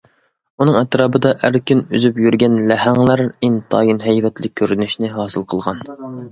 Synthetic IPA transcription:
unɨŋɛt̪ɾɑːbɨd̪ɑʔæɾkʲyny̰zypjyɾɡʲɛnlæhæŋlˠæɾint̪ʰɑ̰ːjinɦɛjvɛt̪lɪkʲʰːøɾynyʃnɪɦɑːsɨlˠqʰəlˠʁɑn

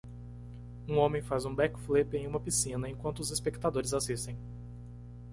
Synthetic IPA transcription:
ũõmẽj̃fazũbɛkflipẽj̃ũmɐpisĩnɐẽkwɐ̃nt̪ʊzispekt̪ad̪oɾɪzasist̪ẽj̃

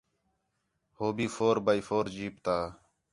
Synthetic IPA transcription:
hoːbiːfoːɾbaːiːfoːɾd͡ʒiːpt̪aː

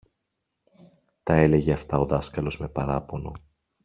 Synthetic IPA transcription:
t̪ɐe̞le̞ʝeɐft̪ɐo̞ðɐskɐlo̞zme̞pɐɾɐpo̞no̞

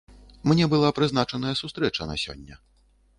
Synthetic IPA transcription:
mnʲɛbɨlˠapɾɨznat͡ʂɐnɐjɐsust̪ɾɛt͡ʂɐnɐ̰sʲɔ̰nʲːɐ

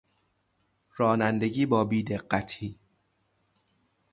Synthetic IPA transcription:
ɾɒːnænd̪e̞ɟiːbɒːbiːd̪e̞ɢːæt̪ʰiː

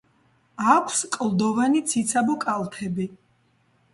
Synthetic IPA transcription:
akʷʰskʼlˠd̪ɔvanit̪sʰit̪sʰabɔkʼalˠt̪ʰɛbi

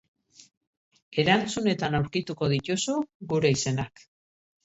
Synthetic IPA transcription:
e̞ɾant͡sune̞t̪anawɾkit̪uko̞ðit̪usuɡuɾe̞ise̞nak

